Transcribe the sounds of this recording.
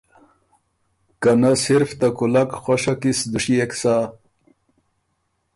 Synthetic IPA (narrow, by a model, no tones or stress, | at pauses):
kanasiɾft̪akulakxoʂakisd̪uɕieksa